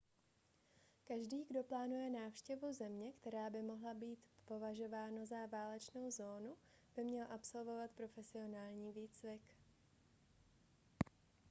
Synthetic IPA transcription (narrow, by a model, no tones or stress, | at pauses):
kaʒdiːɡdo̞plaːnujɛnaːfʃcɛvuzɛmɲɛkt̪ɛɾaːbɪmo̞ɦlabiːt̪po̞vaʒo̞vaːnazavaːlɛt͡ʃno̞wzo̞ːnu | b̥ɪmɲɛlʔapso̞lvo̞vat̪pɾo̞fɛsɪo̞naːlɲiːviːt͡svɪk